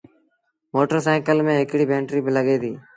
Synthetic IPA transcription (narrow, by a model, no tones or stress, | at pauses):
moːʈəɾsaːkəlmẽːɦɪkɽiːbʱẽːɳʈɾiːbɪləɠeːt̪ḭː